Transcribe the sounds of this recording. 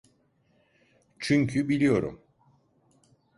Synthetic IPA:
t͡ʃʰyɲcʰybilʲijo̞ɾṵm

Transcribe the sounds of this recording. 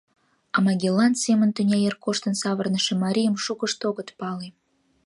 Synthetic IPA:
ɑmɑɡʲelɑnt̪semənt̪unʲɑjerkoʃt̪ənsɑβərnəʃemɑɾʲijəmʃukəʃt̪oɣət̪pɑle

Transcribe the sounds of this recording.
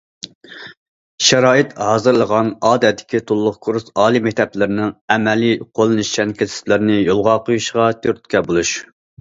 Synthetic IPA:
ʃɛɾɑːɨt̪hɑːzɨɾlˠəʁɑnɑːd̪ɛd̪ɪ̥kʲit̪ʰulˠːʊχkʰuɾsɑːlˠimɛk̚ʲt̪ʰɛplɪɾɪnɪŋɛmɛlijqʰolˠɨnɨʃt͡ʃʰɛnkʲʰeɪ̥t̪lɪɾnɪjolˠʁɑqʰojuʃʁɑt̪ʲʰøɾt̪̚kʲʰɛbolˠuʃ

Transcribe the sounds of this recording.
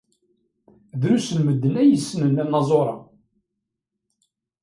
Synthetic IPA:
ðɾusənməd̪ːənæjəsːənənænːɑzˤoɾˤɑ

